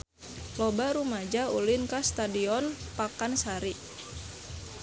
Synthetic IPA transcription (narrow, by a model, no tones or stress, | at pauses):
lɔbaɾumad͡ʒaulinkast̪adiɔnpakansaɾi